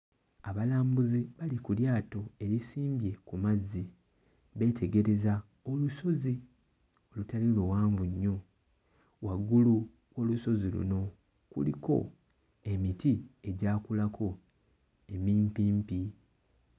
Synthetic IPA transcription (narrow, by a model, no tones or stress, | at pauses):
aβalaːmbuziβalikuljaːto̞e̞ɾisiːmbje̞kumazːi | βe̞ːtʰe̞ɡe̞ɾe̞za | oluso̞zi | o̞lutalilowaːɱvuɲːo̞ | waɡulu | wo̞luso̞zilṵno̞ | kṵlḭko̞̰ | e̞mitie̞ɟaːkulakʰo̞ | e̞miːmpiːmpi